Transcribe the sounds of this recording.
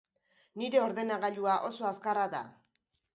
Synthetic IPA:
niɾe̞o̞ɾðe̞naɣaʎuaʔo̞so̞askaraða̰

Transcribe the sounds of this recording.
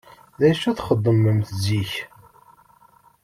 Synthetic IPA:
ðæʃæθχəd̪ˤːəməmθziç

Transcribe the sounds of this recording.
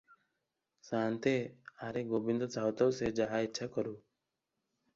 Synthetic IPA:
sant̪eaɾeɡobind̪ɔt͡ʃaut̪ɔwsed͡ʒaɦaitːʃʰakɔɾuː

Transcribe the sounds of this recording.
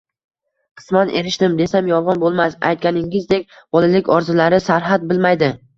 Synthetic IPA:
qʰɨ̥smanʔḛɾɪʃt̪ɪmd̪e̞samjɒlˠʁɑnbolˠmasa̰jt̪̚kʲanɪŋɪzd̪e̞kʲ | bɒlˠalɪkʲɒɾzɪlaɾɪsaɾɦat̪̚bɪlmajd̪ɪ

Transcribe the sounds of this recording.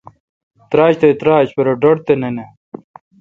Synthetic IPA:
t̪ɾaːɕt̪et̪ɾaːɕpɐɾɐɖoɽt̪enene

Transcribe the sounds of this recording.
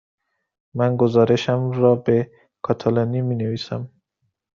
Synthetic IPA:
mænɡozɒːɾe̞ʃæmɾɒːbe | kʰɒːt̪ʰalonimiːneviːsæ̰m

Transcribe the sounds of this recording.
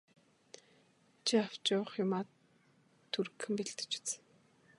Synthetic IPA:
t͡ɕʰiaw̥t͡ɕʊːχjʊmaːt̪ʰː | uɾkxɘ̆mpiɮt̪ɘ̥̆t͡ɕɪ̥t͡s

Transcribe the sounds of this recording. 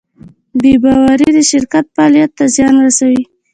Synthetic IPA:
bebɑwaɾiid̪əʃɪɾkat̪̚fɑlijat̪ːazjɑnɾasawi

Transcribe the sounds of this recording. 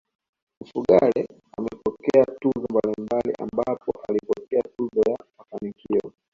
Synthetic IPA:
mufuɠaɾɛ | amɛpɔkɛatuzɔmbalimbalḭʔa̰mbapɔʔalipɔkɛatuzɔjamafanikiɔ

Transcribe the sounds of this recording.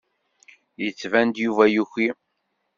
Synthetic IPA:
jət͡sːvænd̪juvæjuçi

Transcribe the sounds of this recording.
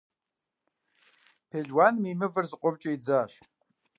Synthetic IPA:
pʰeːɮwaːnmiːmɨvɨrzɨqʷʊbt͡ʃʼɪid͡zaːɕ

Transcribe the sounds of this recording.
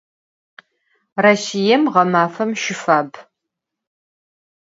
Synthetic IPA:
raɕijɛmʁɐmaːfɐmʃɪfaːb

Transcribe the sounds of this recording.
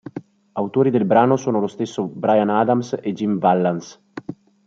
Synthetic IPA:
awt̪oːɾid̪elbɾaːnosoːnolost̪esːobɾajanaːd̪amsed͡ʒimvalːans

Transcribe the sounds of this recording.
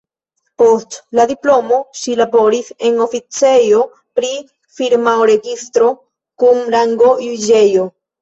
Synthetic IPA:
po̞stladiplo̞mo̞ʃilabo̞ɾise̞no̞fit͡se̞jo̞ | pɾi | fiɾmaoɾe̞ɡistɾo̞ | kumɾaŋɡo̞jud͡ʒe̞jo

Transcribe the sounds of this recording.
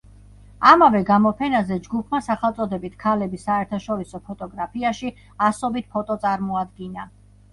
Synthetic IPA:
amavɛɡamɔpʰɛnazɛd͡ʒɡupʰmasaχɛlˠt̪sʼɔd̪ɛbit̪ʰkʰalɛbisaɛɾt̪ʰaʃɔɾisɔpʰɔt̪ʼɔɡɾapʰiaʃi | asɔbit̪̚pʰɔt̪ʼɔt̪sʼaɾmɔad̪ɡina

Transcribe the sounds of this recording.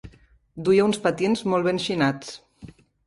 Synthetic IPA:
d̪ujaunspat̪jenzmɔlˠβenʃinat͡s

